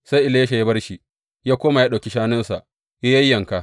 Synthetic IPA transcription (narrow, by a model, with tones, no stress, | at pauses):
sa˦jʔɪ˦le˦jɐ˦ʃa˨ja˦bɐ˦rʃi˨ | jaː˦kʷoː˦ma˨jaː˦ɗa˨kʲi˦ʃaː˦nɪ˦nsa˨ʔ | ja˦jɐ˦jːɐ˨ŋka˨